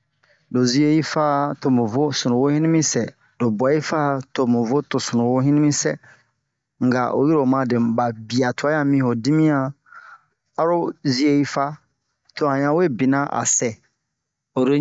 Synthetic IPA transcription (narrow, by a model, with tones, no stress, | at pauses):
do˨zi˦e˦ji˦fa˦to˨mũ˨vo˦sũ˨nũ˨wo˦hĩ˦nĩ˦mĩ˦sɛ˨ | do˨ba˨˦i˦fa˦to˨mũ˨vo˦to˨su˨nũ˨wo˦ɦĩ˦ni˦mĩ˦sɛ˦ | ŋ̩˨ɡa̰˨ʔo̰˨ji˦ɾo˨mã˦de˨ba˨bi˨a˨tʰo˨a˦ã˦mĩ˦ho˨di˦mĩ˦ã˦ | a˦ɾo˦zi˦e˦ji˦fa˦ | to˨hã˨ɲã˦we˦˨bi˨nã˦ʔa̰˨sɛ˨ | o˨ɾo˦